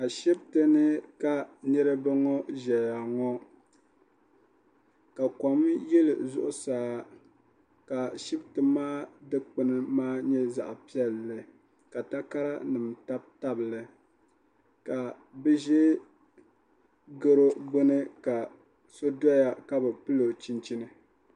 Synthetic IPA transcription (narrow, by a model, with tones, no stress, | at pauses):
a˨ʃi˦btɨ˦nɨ˦ka˦nɛ˦ɾɨ˦bɨ˦ŋɔ˦ʒɛ˨ja˨ŋɔ˦ | ka˨kɔ˨mjɛ˦lɨ̰˨zʊ̰˦ʔʊ˦saː˨˦ | ka˨ʃi˦btɨ˨maː˦dɨ˦k͡pɨ˨nɨ˦maː˦ɲɛ˦za̰˨ʔpi˦ɛ˦˨lːɨ˨ | ka˨ta˦ka˦ɾa˦nɨ˨mta˦b̚ta˦bɨ˨lɨ˦ | ka˨ | bɨ˦ʒɛ˦ | ɡo˦ɾo˦ɡ͡bo˦nɨ˦ka˨ | so˦da˦ja˦ka˦bɨ˨pɨ˦lo˨t͡ʃi˦nt͡ʃi˦nɨ˦